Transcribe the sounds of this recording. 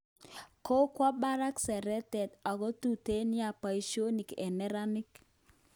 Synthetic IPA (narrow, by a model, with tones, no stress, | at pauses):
ko˦kwɔ˦ba˦ɾa˦ksɛ˨ɾɛ˦tɛ˨tɔ˨ɡɔ˦tu˨te˦nɪ˦a˨pa˨i˦ʃo˦ni˨kɛ̰˨nɛ˦ɾa˦nɪ˦k